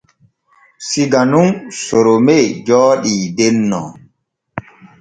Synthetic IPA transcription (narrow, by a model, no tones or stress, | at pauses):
siɡanunsoɾomed͡ʒɔːɗiːdɛnːɔ̰